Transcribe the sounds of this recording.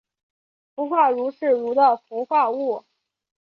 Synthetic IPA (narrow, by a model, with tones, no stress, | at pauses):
fu˧˥xwa˥˩ɻu˧˥ʂɻ̩˥˩ɻu˧˥d̪ə˧fu˧˥xwa˥˧u˥˩